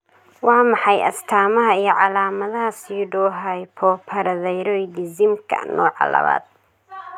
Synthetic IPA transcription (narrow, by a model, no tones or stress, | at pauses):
wɑːmɑħɑjɐ̰st̪ʰaːmɐɦɐijɞʕɑlaːmɐðɐɦɐsiɖɔːɦɐjpʰɔːpʰɐɾɐðɛjɾɔjd̪ɪzɪmkʰɐ̰nɔːʕɑ̰lɐ̰βa̰ːd̪̥̚